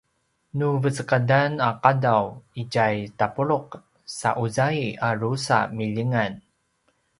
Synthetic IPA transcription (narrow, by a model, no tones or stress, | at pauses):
nuvət͡səkadanaqadawiɟajtapuɭuq | sa̰ʔuzaiaɾusa̰miʎiŋan